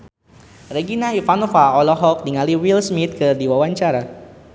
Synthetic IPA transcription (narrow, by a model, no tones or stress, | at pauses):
reɡinaifanɔfaɔlɔɦɔk̚diŋaliwilsmit̪̚kɨrdiwawaɲt͡ʃaɾa